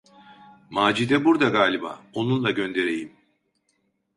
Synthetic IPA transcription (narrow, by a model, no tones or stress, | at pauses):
maːd͡ʒid̪ɛbuɾd̪aɡaːlʲiba̰ːo̞nunlˠaɟø̞nd̪e̞ɾe̞jim